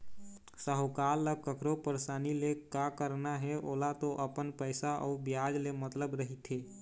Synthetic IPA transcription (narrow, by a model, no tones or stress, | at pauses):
səɦokalːəkəkɾopəɾsanilekakəɾnaɦɛʔoːlat̪oʔəpənpəɪsaʔɔ̰ubjad͡ʒlemət̪ləbɾəɦit̪ɦe